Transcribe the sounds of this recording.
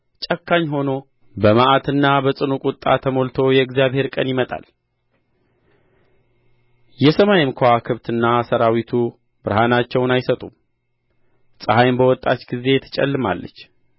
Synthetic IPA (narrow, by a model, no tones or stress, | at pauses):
t͡ʃʼəkʰːaɲːɦo̞no̞ | bəmaʔat̪ɨnːabəsʼɨnukʼut̪ʼːa̰t̪ʰəmolt̪ʰo̞jɛɨɡzijaβhe̞ɾkʼənjɪmət̪ʼa̰l | jɛsəmajɪmkʰʷakʰɨβt̪ɨnːasəɾawit̪ʰu | bɨɾɦanat͡ʃːɛwnajsət̪ʼum | sʼɨhajmbəwɔt̪ʼːat͡ʃɡize̞t̪ʰə̥t͡ʃʼɛ̰lːɨma̰lːə̰t͡ʃː